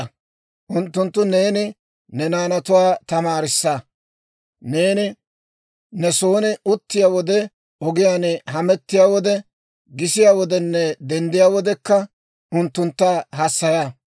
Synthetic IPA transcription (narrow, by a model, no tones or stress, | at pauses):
ɐ | ʔʊnt̪ːʊnt̪ːʊneːnɪ | nɛnaːnɐt̪ʊwaːt̪ɐmaːɾɪsːaː | ne̞ːnɪ | nɛso̞ːnɪʊt̪ːɪjaːwɔd̪ɛ | ɔɡɪjaːnɦɐmɛt̪ːɪjaːwɔd̪ɛ | ɡɪsɪjaːwɔd̪ɛnːɛd̪ɛnd̪ɪjaːwɔd̪ɛkːɐ | ʊnt̪ːʊnt̪ːaɦɐsːɐjaː